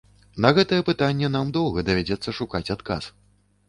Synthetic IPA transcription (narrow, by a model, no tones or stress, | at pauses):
nɐɣɛt̪ɐjɛpɨt̪anʲːɛn̪amd̪ɔwˠɣɐd̪ɐvʲɛd͡zʲɛt̪sːɐʂukat͡sʲat̪ka̰s